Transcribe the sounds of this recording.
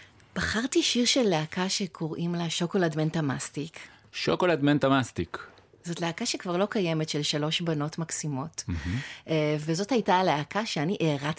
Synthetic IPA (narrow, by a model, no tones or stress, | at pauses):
b̥aχaʁtiʃiʁʃelːeakaʃekʰoʁimlaʃokoladmentamastik | ʃokolad̪mentamastik | zo̞tleakaʃe̞kvaʁlo̞kajemetʃelʃalo̞ʃbano̞tmaksimo̞t̩ | vezo̞thajtaːleakaʃeaniʔeʁat